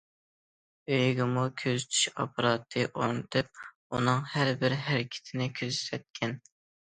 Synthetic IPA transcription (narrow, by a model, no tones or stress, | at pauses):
øjɡʲɪmukʲʰøzyt̪ʰy̥ʃɑ̰pʰɑɾɑːt̪ʰːɨʔoɾnɨt̪ʰɨp̚ | ṵnɨŋhæɾbɪɾɦæɾɪkʲʰɪ̥t̪ʰɪnɪkʲʰøzsɛt̪̚kʲʰɛn